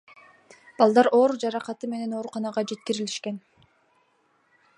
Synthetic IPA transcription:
b̥ɑlˠd̪ɑɾʔo̞ːɾd͡ʒɑɾɑqɑt̪ɯme̞ne̞no̞ːɾuqɑnɑʁɑd͡ʒe̞t̪̚kiɾiliʃke̞n

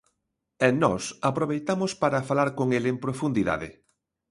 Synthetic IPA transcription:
enɔsapɾoβejt̪amʊspaɾɐfalaɾkoŋelempɾofund̪iða̰ðɪ̰

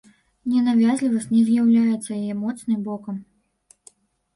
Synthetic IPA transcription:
nʲɛnavʲazʲlʲivɐsʲtʲnʲɛzʲjawlʲajɛt̪sːɐjajɛmɔt̪snɨmbɔkɐm

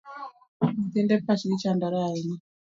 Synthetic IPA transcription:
mutendepat͡ʃiɾit͡ʃandaɾaini

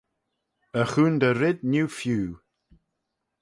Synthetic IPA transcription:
əxuːnd̪əɾɪd̚njuːfjuː

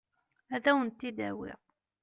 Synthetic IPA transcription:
æðæwənt̪ːid̪æ̰wɪ̰ʁ

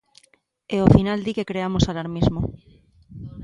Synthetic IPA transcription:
eofinald̪ikekɾeamosalaɾmizmo

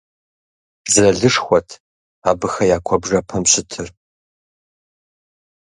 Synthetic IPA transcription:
zɨrɐɮɨʂxʷɔtʰ | aːbɨxɐjaːkʷʰɔbʐɐpʰɐmɕɪtʰɨr

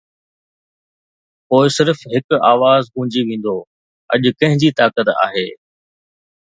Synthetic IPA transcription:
poːɪsɪɾfɦɪkʊaːʋaːzɡũːd͡ʑiʋẽːn̆d̪o | ɐ̰ʄʊkɐ̃ɦɪ̃ɲd͡ʑit̪aːkət̪a̰ːɦeː

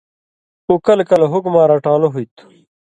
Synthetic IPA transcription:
ukɐlkɐlɦukmaːɾaːʈaːloɦuit̪u̥

